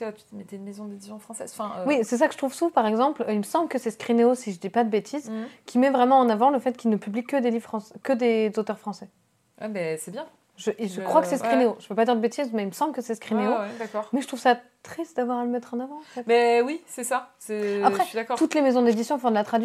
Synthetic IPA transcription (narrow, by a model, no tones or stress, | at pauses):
at̪y̥mɛt̪eynmezɔ̃d̪ed̪isjɔ̃fχɑ̃sɛ̰zɑ̃fɛ̃wisɛs̬akəʒ̥ə̥t̪χuvsupaʁɛɡzɑ̃plilməsɑ̃bləkəsɛskχineosiʒəd̪ipad̪əbet̪ʰizkʲʰimɛvʁɛmɑ̃ːnavɑ̃ləfɛt̪kʲilnəpyblikəd̪elivʁfχɑ̃sɛ̥kəd̪ezot̪œʁfχɑ̃sɛ | ɛ̰mɛsɛbjɛ̃ | ʒəʔeʒəkχwakə̥sɛskχineoʒəpøpad̪iʁd̪əbet̪izmɛilməsɑ̃blkəsɛskχineod̪akɔʁmɛʒət̪χuvsat̪χist̪̚d̪avwaʁaləmɛt̪χɑ̃navɑ̃ɑ̃fɛt̪mɛwisɛsasɛapχɛid̪akɔt̪ut̪lemezɔ̃d̪ed̪isjɔ̃fɔ̃d̪əlat̪χad̪ɥi